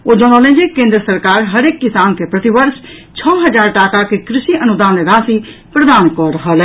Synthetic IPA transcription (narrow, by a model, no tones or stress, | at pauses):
od͡ʒɔnɔːlẽd͡ʒekẽːnd̪ɾəsəɾkaːɾɦəɾeːkːɪsaːnkepɾət̪ibəɾʃ | t͡ʃʰɔːɦəd͡ʒaːɾʈaːkakekɾɪʃiʔənud̪aːneɾaːsipɾəd̪aːnkɔːɾɦəl